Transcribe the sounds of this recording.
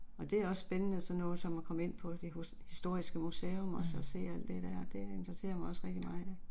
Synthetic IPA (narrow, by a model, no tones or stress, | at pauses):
ɒ̽d̥e̝æɐɒ̽sːb̥enənəsɒ̽nːɔ̽ːð̩ˠsɒ̽mɑkʰɒ̽məe̝n̰pʰɒ̽d̥e̝ | hisd̥o̝ɐ̰isɡ̥əmuseːɔmɒsɒse̝̰ːæl̰d̥e̝d̥æɐ̰ɒd̥e̝end̥ʁɐse̝̰ːɐmɑ̈ɪɒ̽sʁɛɡ̥d̥imɑ̈ːð̩ˠæ